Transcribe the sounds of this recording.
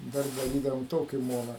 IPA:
dɐr dɐˈrʲiːdɐʋoːm ˈtoːkʲɪ ˈmoːnɐ

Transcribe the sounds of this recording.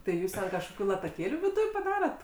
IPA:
tɐɪ ˈjuːs tʲɛn kɐʃkoːˈkʲuː lˠɐtɐˈkʲeːlʲuː ʋʲɪˈdʊj pɐˈdɑːrɐt

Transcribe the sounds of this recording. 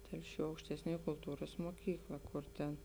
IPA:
ˈtʲɛlʲˌʃʲuː ɐʊkʃʲtʲɛsʲˈnʲuɔj kʊlˠˈtuːrɐs muɔˈkʲiːklˠɐ ˈkʊr tʲɛn

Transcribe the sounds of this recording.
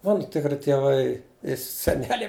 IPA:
ˈmɑːnʊ tʲɪkˈrʲɪ tʲiɛˈʋɐɪ ɪ sʲɛˈnʲæːlʲɛɪ

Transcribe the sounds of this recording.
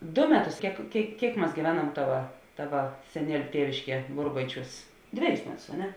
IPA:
dʊ ˈmʲæːˌtʊs ˈkʲiɛk ˈkʲeːɪk ˈkʲiɛk mɐs ɡʲiːˈʋʲæːˌnɐm ˈtɑːʋɐ ˈtɑːʋɐ sʲɛˈnʲiɛlʲʊ ˈtʲiɛʋʲɪʃʲˌkʲiɛ ˈbʊrbɐɪˌt͡ʃʲuːs ˈdʲʋʲæːˌjʊs ˈmʲæːˌtʊs ɐ ˈnʲɛ

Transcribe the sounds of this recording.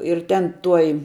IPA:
ɪr ˈtʲɛn ˈtuɔj

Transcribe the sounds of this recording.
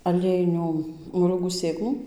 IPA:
ɐˈlʲiɛjɪnʲuː moːˈlʲuːɡuː ˈsʲeːklˠuː

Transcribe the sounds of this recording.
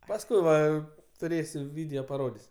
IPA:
pɐsˈkʊɪ ʋɐ tʊˈrʲeːsʲʊ ˈʋʲɪdʲɛoː pɐˈroːdʲɪsʲ

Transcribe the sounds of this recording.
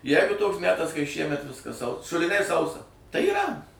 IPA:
ˈjæːɡʊ ˈtoːks ˈmʲæːtɐs kɐɪ ˈʃʲiɛmʲɛt ˈʋʲɪskɐs sɐʊ ʃʊlʲɪˈnʲɛɪ ˈsɐʊsɐ tɐɪ iːˈrɐ

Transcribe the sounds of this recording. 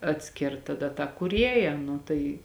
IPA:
ɐtʲˈsʲkʲɪrt tɐˈdɐ tɑː kuːˈrʲiɛjɛ ˈnʊ tɐɪ

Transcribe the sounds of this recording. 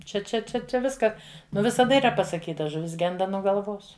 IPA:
t͡ʃʲɛ t͡ʃʲɛ ˈt͡ʃʲɛ t͡ʃʲɛ ˈʋʲɪskɐ ˈnʊ ʋʲɪsɐˈdɐ iːˈrɐ pɐsɐˈkʲiːtɐ ʒʊˈʋʲɪs ˈɡʲɛndɐ nuɔ ɡɐlˠˈʋoːs

